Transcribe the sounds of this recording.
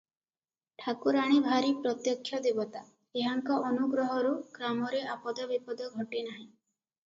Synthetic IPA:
ʈʰakuɾaɽ̃ibʱaɾipɾɔt̪jɔkʰːjɔd̪ebɔt̪a | eɦaŋkɔʔɔnuɡɾɔɦɔɾuɡɾamɔɾeapɔd̪ɔbipɔd̪ɔɡʱɔʈenaɦĩ

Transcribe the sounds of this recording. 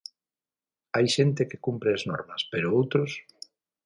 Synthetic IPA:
ajʃent̪ekekumpɾeaznɔ̰ɾmɐspeɾʊowt̪ɾʊs

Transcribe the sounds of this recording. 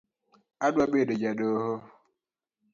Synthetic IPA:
adwabeded͡ʒadoɦo

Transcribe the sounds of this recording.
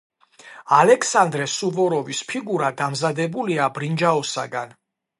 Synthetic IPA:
alɛkʰsand̪ɾɛsuvɔɾɔvispʰiɡuɾad̪amzad̪ɛbuliabɾind͡ʒaɔsaɡan

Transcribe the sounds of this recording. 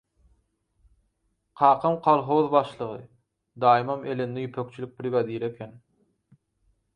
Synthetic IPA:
qʰɑːqʰɑmqʰɑlˠɦoðbɑʃlˠɯʁɯ̰ | d̪ɑːjimɑme̞lend̪ejypʰøk̚t͡ʃʰylʲyk̚ʲbɾiɡɑd̪iːɾe̞kʲʰen

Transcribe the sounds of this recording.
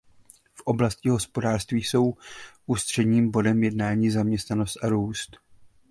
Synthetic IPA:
fʔo̞blascɪɦo̞spo̞daːrst̪viːso̞wʔuːst̪r̝̥ɛdɲiːmbo̞dɛmjɛdnaːɲiːzamɲɛst̪nano̞st̪ʔaɾuːst̪

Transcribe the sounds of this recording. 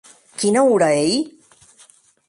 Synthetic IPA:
kinauɾaej

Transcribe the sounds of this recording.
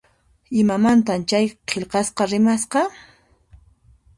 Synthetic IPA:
ɪmamant̪amt͡ʃajqʰeʎqɑsqɑɾɪmasqɑ

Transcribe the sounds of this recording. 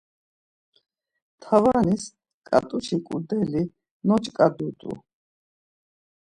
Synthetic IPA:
t̪ʰavanis | kʼa̰t̪ʼut͡ʃʰikʼud̪ɛli | nɔt͡ʃʼkʼad̪ut̪ʼṵ

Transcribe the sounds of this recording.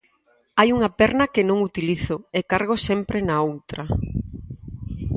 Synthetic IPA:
ajuŋɐpɛɾnɐkɪnõŋut̪iliθʊekaɾɣosɛmpɾɪnaowt̪ɾɐ

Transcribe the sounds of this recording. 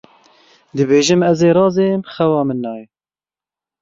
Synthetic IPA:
d̪ɨbeːʒɨmɛzeːɾɑːzemxɛwɑːmɨnːɑːjɛ

